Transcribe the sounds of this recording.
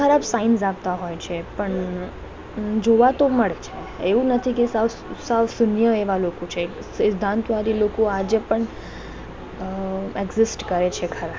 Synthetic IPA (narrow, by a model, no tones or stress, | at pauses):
kʰəɾabsainsapt̪aɦojt͡ʃʰepəɳ | d͡ʒoʋat̪oməɭet͡ʃʰe | eʋũnət̪ʰikesa | saʋsʊnjəeʋalokot͡ʃʰe | sɪd̪ʱːãnt̪ʋaɾilokoad͡ʒepəɳ | eɡzɪsʈkəɾet͡ʃʰekʰəɾab